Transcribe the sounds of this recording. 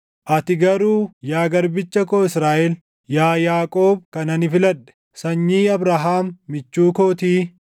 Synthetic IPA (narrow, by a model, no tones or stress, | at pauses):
ʔɐt̪ɪɡɐɾuːjaːɡɐɾbɪt͡ʃːɐkoːɪsɾaːʔɛl | jaːjaːkʼoːb̚kɐnɐnɪfɪlɐᶑ̪ɛ̥ | sɐɲːiːɐbɾaːɦaːmːɪt͡ʃːuːkoːt̪iː